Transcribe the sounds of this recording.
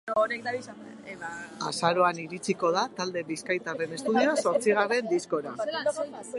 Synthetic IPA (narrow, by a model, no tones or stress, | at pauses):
ɾek̚d̪aβisa | eβa̰saɾo̞aniɾit͡siko̞ð̞at̪ald̪e̞βiskajt̪are̞ne̞st̪uðioaso̞ɾt͡siɣ̞are̞nd̪isko̞ɾa